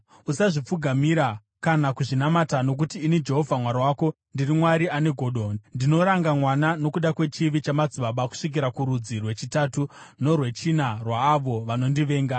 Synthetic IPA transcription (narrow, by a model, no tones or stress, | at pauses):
usaʐip͡fuɡʱamiɾa | kanakuʐinamatano̞k̬utiːnid͡ʒe̞ɦo̞vʱamwaɾawaːko̞ | ndirimwaɾiane̞ɡʱo̞ːɗonndino̞ɾaŋɡamwanano̞kuɗakwe̞t͡ʃiʋit͡ʃamad͡ziɓaɓaku̥ʂik̬iɾakuɾud͡zirwe̞t͡ʃitatuno̞rwe̞t͡ʃinarwaːʋo̞ʋano̞ndiʋe̞ːŋɡa